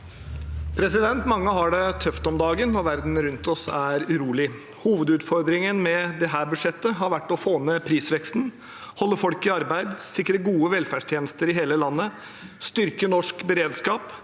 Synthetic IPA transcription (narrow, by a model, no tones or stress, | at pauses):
pʰɾɛsɪd̪ɛnt̪mɑŋːəɦɑɖɛt̪ʰœft̪ɔmd̪ɑːɡənːɔʋæɾd̪n̩ɾʉnt̪ɔsæɾʉɾuːlɪ | huːʋəd̪ʉːt̪fɔɾd̪ɾɪŋənmɛd̪ɛɦæːɾbʉʂɛt̪ːəɦɑɾʋæʈːɔfoːnəpʰɾiːsʋɛkst̪n | hɔlːəɾfɔlkɪɑɾbæɪd̪sɪkɾəɡuːəʋɛlfæːɖʂʈ̪ʰjeːnəst̪əɾɪɦeːləlɑnːə | st̪ʏɾkənɔʂkbəɾeːd̪skɑːp